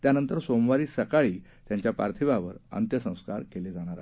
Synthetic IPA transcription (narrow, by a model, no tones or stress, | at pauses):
t̪janənt̪əɾsomʋaɾiːsəkaɭiːt̪jaɲt͡ɕjapa̰ɾt̪ʰiʋaʋəɾə̰nt̪jəsə̃w̃skaɾkeled͡zaɽ̃aɾa